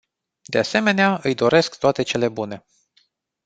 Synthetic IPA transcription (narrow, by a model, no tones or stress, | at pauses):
d̪e̞ase̞me̞neaɨjd̪o̞ɾe̞skt̪oat̪e̞t͡ʃe̞le̞bune̞